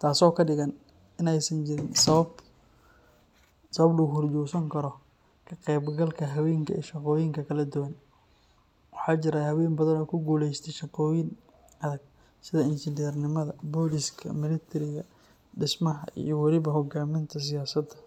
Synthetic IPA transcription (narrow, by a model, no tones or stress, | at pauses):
t̪ʰaːsɔːkʰɐɖɪɣɐn | ɪnɛjsɐnt͡ʃɪɾɪnsɐβɐb | sɐβɐbluːɣhʊrd͡ʒuːsɐŋkʰɐɾɔ | kʰɐqɛjbɡɐlkʰɐɦɐwɛːŋkʰɐḭːʃɐqɔːjɪŋkʰɐkʰɐlɐd̪ʊwɐn | wɑħɑːt͡ʃɪɾahɐwɛːnbɐðɐnɔːkʰʊɡuːlɛjst̪ʰɛʃɐqɔːjɪn | ɐðɐɡ̚ | sɪðɐɪnʃɪnɛrnɪmɐðɐbɔlɪskʰɐ̰mɪlɛt̪ʰɛɾɪɣɐ | ɖɪsmɐɦɐ̰ʔḭjɔwɑlɪβɐɦɔɡaːmɪnt̪ʰɐs̬ɪjaːsɐd̪ɐ